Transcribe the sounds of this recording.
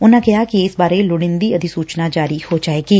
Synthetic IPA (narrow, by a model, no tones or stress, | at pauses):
ʊnãkɐjakiɪsbaːɾelʊɽɪ̃nd̪iɐd̪ʱisuːt͡ʃnad͡ʒaːɾihod͡ʒaːeːɡiː